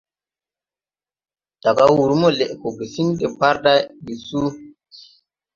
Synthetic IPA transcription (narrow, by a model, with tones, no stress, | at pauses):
d̥a˨ɡa˦wu˨ɾu˦mo˦le˨ʔko˨ɡe˨si˦n˦de˨pa˦ɾda˦bi˨su˦